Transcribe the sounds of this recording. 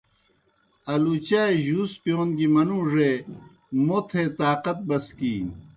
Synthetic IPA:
ɐlut͡ɕaːeʑuːspjoːnɡimɐnũːʐe | mot̪ʰeːt̪aːqɐt̪̚bɐskiː

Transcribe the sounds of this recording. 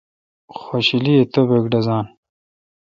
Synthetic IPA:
xoɕiliet̪obekɖɐzaːn

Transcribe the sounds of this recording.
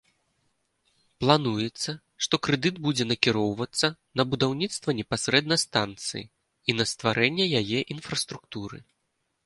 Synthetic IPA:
plˠanujɛt̪sːɐ | ʂt̪ɔkɾɛd̪ɨd̪bud͡zʲɛnɐkʲiɾɔwvɐt̪sːɐnɐbud̪awnʲit̪st̪vɐnʲɛpasʲɾɛd̪nɐst̪ant̪sɨ̰jḭ | inɐst̪vaɾʔɛnʲːɛjajɛʔinfɾɐst̪ɾukt̪uɾɨ̰

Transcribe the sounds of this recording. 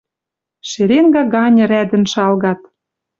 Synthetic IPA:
ʃeɾenɡɑɡɑnʲɤ̆ɾæd̪ɘ̆nʃɑlɣɑt̪̚

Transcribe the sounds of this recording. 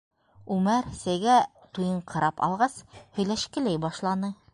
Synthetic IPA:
ʉmæɾsæjɡæ | t̪ujɤɴqɑ̆ɾɑpɑ̰lˠʁɑshɵ̆jlæʃkɘ̆læjbɑʃlˠɑnɤ

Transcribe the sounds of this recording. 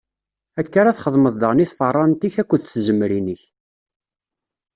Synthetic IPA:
ækːaɾˤaθχəðˤməðˤd̪əʁniθfərˤːɑnt̪içækʷːəðθʒəmːɾinəç

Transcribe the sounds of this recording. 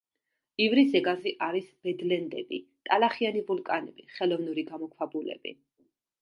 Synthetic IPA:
ivɾisɛɡaziʔaɾisb̥ɛd̪lɛnd̪ɛ̰bḭt̪ʼalaχianivulˠkʼanɛb̥iχɛlɔvnuɾiɡamɔkʰwabulɛ̰bḭ

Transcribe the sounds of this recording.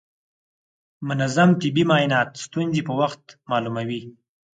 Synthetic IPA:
mʊnazamt̪ɪbimɑjnɑt̪st̪unzepəwaxt̪mɑlumawi

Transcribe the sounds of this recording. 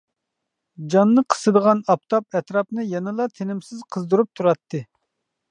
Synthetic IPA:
d͡ʒɑnːɨqʰə̥sɨd̪əʁɑnɑpt̪ʰɑp̚ɛt̪ɾɑpnɨjɛnɨlˠɑt̪ʰenɪmsɪzqʰəzd̪uɾup̚t̪ʰuɾɑt̪ʰːɨ

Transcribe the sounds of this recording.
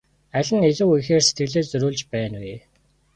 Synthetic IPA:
æɮʲɘ̆ŋeɮɘ̆wujxeːrse̥t̪̚ɡɘ̆ɮeːt͡sɵɾuːɮt͡ɕpæːnweː

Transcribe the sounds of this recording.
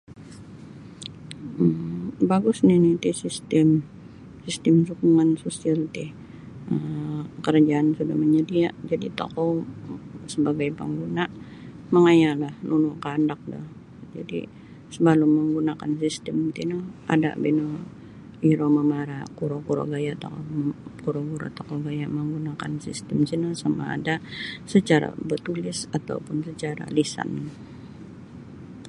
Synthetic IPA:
baɡʊsnɪnɪt̪ɪsist̪ɛm | sist̪ɛmsukuŋansusialt̪ɪh | əkəɾd͡ʒaːnsudahməɲədiaʔd͡ʒadit̪o̰kɔ | səbaɡajpə̰ŋɡunaʔ | məŋajalahnʔunukandak̚da̰h | d͡ʒa̰dḭ | səbaluməŋɡunakansist̪əmt̪inəa̰da̰ʔbino | iɾoməmaɾakuɾokuɾo̰ɡajat̪okɔkuɾokuɾa̰t̪okoɡajaməŋɡunaka̰nsist̪əmsinəsama̰ːdasət͡ʃaɾa̰bərt̪ulɪsat̪a̰upʊnsət͡ʃaɾa̰lisa̰n

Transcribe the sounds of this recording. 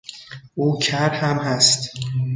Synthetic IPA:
ʔuːcʰæɾhæmhæst̪

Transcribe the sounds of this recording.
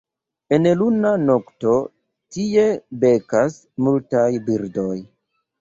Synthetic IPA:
enlunanokto̞ | tie̞be̞kas | multajbiɾdoj

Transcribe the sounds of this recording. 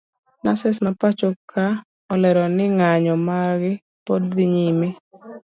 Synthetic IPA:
nasɛsmapat͡ʃokʰa | ɔlɛɾɔnɪŋaɲɔmaɡɪ | podðɪɲime

